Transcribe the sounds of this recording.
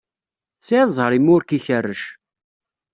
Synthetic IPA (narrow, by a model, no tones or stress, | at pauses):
sizˤhəɾimʊɾkiçərːəʃ